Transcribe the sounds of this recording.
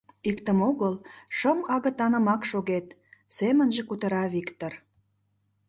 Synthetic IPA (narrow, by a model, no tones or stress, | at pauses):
ikt̪əmoɣəlʃəmɑɣə̆t̪ɑnə̆mɑkʃoɣet̪ | semənʒekut̪ə̆ɾɑβikt̪or